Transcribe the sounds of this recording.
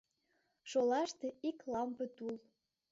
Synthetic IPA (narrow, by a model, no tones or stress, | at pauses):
ʃolɑʃt̪eiklɑmpə̆t̪ul